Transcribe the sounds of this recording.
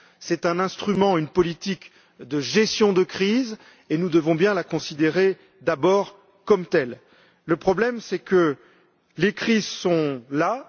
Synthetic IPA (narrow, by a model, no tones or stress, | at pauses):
sɛt̪ɛ̃nɛ̃st̪χymɑ̃ynpɔlit̪ik | d̪əʒɛst̪jɔ̃d̪əkχiz | enud̪əvɔ̃bjɛ̃lakɔ̃sid̪eʁe | d̪abɔʁ | kɔmt̪ɛlː | əpχɔblɛmsɛkə | lekχizsɔ̃la